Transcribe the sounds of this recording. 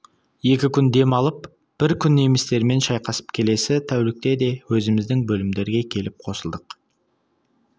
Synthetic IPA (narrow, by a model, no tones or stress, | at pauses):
je̞kʲɪkʲʰʏnd̪e̞mɑlˠəp | b̥ɪɾkʲʰʏnːe̞mɪst̪e̞ɾme̞nʃɑjqɑsə̥pkʲʰe̞le̞sɪt̪ʰæwlɪk̚t̪e̞d̪e̞wɵzɪmɪzd̪ɪŋbɵlɪmd̪e̞ɾɪɡʲe̞kʲʰe̞lɪp̚qʰo̞səlˠd̪əq